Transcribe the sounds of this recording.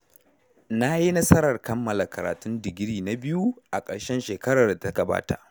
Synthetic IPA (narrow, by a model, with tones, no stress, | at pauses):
na˦ji˦nɐ˦sɐ˦ɾɐ˨rkɐ˦mːɐ˨la˨kɐ˨ɾa̰ː˨tʊ˦ndɪ˨ɡʲɪ˦ɾiː˦˨na˨bɪ˦ju˦ʔa˨kʼɐ˨ɽʃɛ˦nʃeː˨kɐ˦ɽa˨rda˨ta˦ɡɐ˨ba̰ː˦ta̰˨ʔ